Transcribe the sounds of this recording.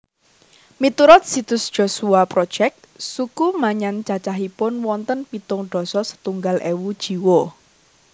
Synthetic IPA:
mit̪uɾɔt̪̚sit̪ʊsd̥ʒ̥o̤suapɾɔd̥ʒ̥ɛk̚t̪sukumaɲant͡ʃat͡ʃaɦipʊnwɔnt̪ənpit̪ʊŋɖ̥ɔ̤sɔsə̥t̪uŋɡalʔewud̥ʒ̥i̤wo

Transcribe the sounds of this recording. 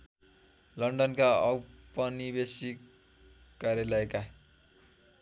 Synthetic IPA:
lʌɳɖʌnkaʌwpʌnibesikː | aɾjalʌjka

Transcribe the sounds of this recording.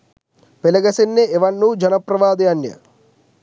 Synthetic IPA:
pelɐɡɐsinːeʔeʋɐnːud͡ʒɐnɐpɾɐʋaːd̪ɐjɐnjɐ̰

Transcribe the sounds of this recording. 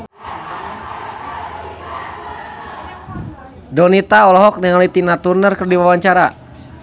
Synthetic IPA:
dɔnit̪aɔlɔɦɔk̚naŋlit̪inat̪urnərkərdiwawaɲt͡ʃaɾa

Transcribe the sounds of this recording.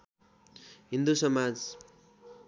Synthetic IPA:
ɦind̪usʌmad͡z

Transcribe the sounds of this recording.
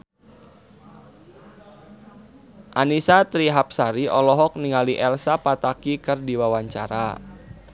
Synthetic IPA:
ʔanisat̪ɾiɦap̚saɾiʔɔlɔɦɔk̚niŋaliʔɛlsapat̪akikɨrdiwawaɲt͡ʃaɾa̰

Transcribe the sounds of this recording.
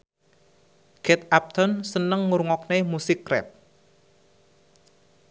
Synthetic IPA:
ɡ̥ɛt̪̚ap̚t̪ʰɔnsənəŋːuɾŋɔk̚nemusɪkːrɛ̰p̚

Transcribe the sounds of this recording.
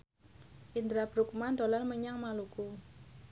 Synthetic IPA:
ʔind̪ɾab̥ɾuk̚mand̪o̤lanməɲaŋmaluku

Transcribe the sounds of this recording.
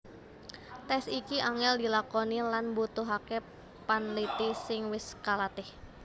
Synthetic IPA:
t̪ɛsikiʔaŋɛldi̤lakɔnilanbut̪uɦake | panlit̪isɪŋwɪskalat̪ɪh

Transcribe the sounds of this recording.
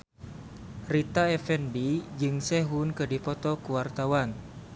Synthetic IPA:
rit̪aɛfɛnbid͡ʒɨŋsɛɦunkədipɔt̪ɔkuwart̪awan

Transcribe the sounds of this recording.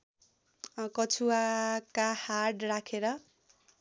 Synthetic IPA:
kʌt͡sʰuakahaʈrakʰeɾʌ

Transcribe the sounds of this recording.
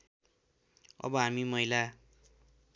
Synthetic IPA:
ʌ̰bʌɦamimʌɦila

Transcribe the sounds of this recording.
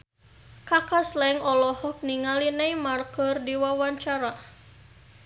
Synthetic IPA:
kakaslɛŋɔlɔhɔk̚niŋalinajmarkərdiwawaɲt͡ʃaɾa

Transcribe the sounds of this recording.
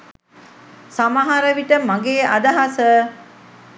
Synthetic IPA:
samaɦaɾəʋiʈəmaɡeːad̪aɦasə

